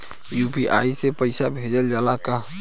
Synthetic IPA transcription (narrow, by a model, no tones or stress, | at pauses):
jupiʔa̰isepəɪsabʱed͡ʒəld͡ʒaːlaka